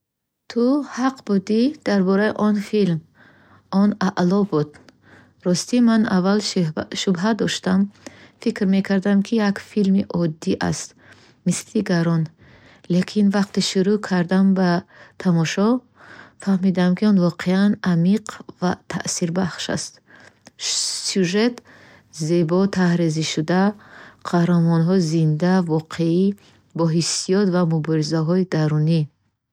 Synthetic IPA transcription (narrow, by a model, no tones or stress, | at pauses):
t̪ʰuhaqbud̪id̪̥aɾbɔɾaiʔɔnfilm | ʔɔnaʔlɔbud̪ | ɾɔst̪imana̰valʃubɦad̪ɔʃt̪amfikɾme̞kʰaɾd̪amkʰijakfilmiʔɔd̪ːiʔa̰st̪ | misiɡaɾɔn | lekʰinvaqt̪iʃuɾukʰaɾd̪ambat̪ʰamɔʃɔ | fahmid̪amkʰiɔnvɔqʰeanamiqvat̪ʰa̰ʔsiɾbaχʃa̰st̪ | sjuʒe̞t̪ | ze̞bɔt̪ʰahɾeziʃud̪aqʰahɾamɔnɦɔizind̪avɔqʰei | bɔɦisijɔt̪vamubɔɾizaɦɔid̪aɾuni